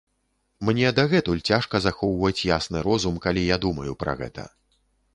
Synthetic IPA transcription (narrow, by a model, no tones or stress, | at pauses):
mnʲɛd̪ɐɣɛt̪ulʲt͡sʲaʂkɐzaxɔwvɐt͡sʲjasnɨɾɔzumkalʲijad̪umɐjupɾɐ̰ɣɛ̰t̪ʰɐ̰